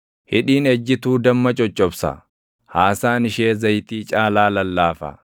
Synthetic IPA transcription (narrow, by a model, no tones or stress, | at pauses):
hɪᶑiːnɛd͡ʒːɪt̪uːd̪ɐmːɐt͡ʃʼɔt͡ʃʼːɔbsɐ̰ | haːsaːnɪʃeːzɐjt̪iːt͡ʃʼaːlaːlɐlːaːfɐ̰